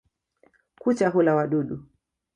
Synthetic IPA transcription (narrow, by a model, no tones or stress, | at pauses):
kut͡ʃaɦulawaɗuɗu